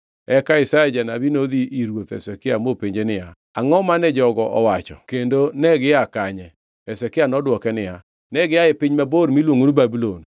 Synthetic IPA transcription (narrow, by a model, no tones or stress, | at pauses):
ɛkaɪsaɛd͡ʒanabinod̪iʔiɾwot̪ɛ̰sɛkɪamopeɲd͡ʒenɪja | aŋɔmanɛd͡ʒɔɡɔʔɔwat͡ʃɔ̰kendonɛɡɪakaɲɛ | ɛsɛkɪanɔdwɔkɛnɪa | nɛɡɪaepɪɲmaboɾmilwoŋunubabulon